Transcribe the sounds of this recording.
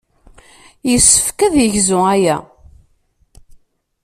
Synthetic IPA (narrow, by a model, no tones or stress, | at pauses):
jəsːə̥fkæðjəʝzʊæjæ̰